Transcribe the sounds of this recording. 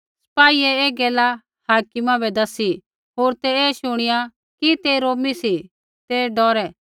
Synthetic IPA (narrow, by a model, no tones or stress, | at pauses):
sɐ̥paːiɛeːɡɛːla | haːkɪmãbɛd̪ɐsi | ɦoːɾt̪ɛeːʃʊɽ̃ɪja | kit̪eɾoːmisi | t̪ɛɖɔːɾɛ